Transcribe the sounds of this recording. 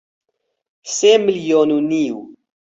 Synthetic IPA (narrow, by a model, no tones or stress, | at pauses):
semiljonuniw